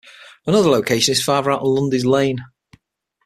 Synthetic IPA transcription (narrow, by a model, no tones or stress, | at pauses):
ənʊðəloʊkʰeɪʃə̃nɪz̥fɑːvəɹaʊʔn̩lʊ̃ndɪzlẽɪ̃n